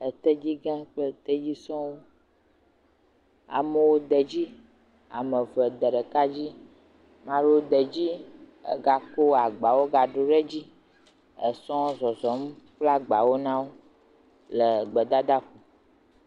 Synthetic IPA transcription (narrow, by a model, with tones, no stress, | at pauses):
ə˨t̪ə˦d͡ʑi˦ɡã˦k͡pə˦t̪ə˦d͡ʑi˦sɔ̃˦wo˦ | a̰˨mə˨wo˦d̪ə˨d͡ʑi˦ | a̰˨mə̃˨və˨d̪ə˨ɖə˨ka˦d͡ʑi˦ | mã˦ɖo˦d̪ə˨d͡ʑi˦ | ə̰˨ɡa˨ko˦a˨ɡ͡ba˨wo˦ɡa˨ɖo˨ɖe˦d͡ʑi˦ | ə˨sɔ̃˦zɔ˨zɔ˨m˦ɸla˦ɡ͡ba˨wo˦nã˦wo˦ | lə˨ɡ͡bə˨d̪a˦d̪a˦ku˨